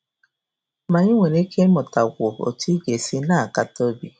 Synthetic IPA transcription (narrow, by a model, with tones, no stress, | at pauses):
ma˨ɲi˦ŋʷe˨ne˦kʰe˦mʊ˨ta˨ɡʷʊ˨o̰˨ti˦ɡe˨si˦na˦˨a˨ka˦tɔ˦bi˦